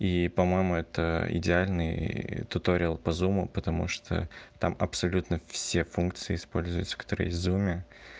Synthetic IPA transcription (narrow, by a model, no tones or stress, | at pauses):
ipɐmo̞jɪmʊɛt̪ə̰ɪ̰dʲɪalʲnɨjt̪ʊt̪oɾʲɪlˠpɐzumʊpət̪ɐmṵʂt̪ʰo̰t̪amɐpsɐlʲut̪nəfsʲefunkt̪sɨɪɪspo̞lʲzʊjt̪sə̥kɐt̪oɾə̰jɪzumʲɪ